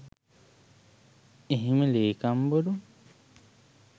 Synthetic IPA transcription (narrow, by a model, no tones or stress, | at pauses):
eɦiməleːkamboɾu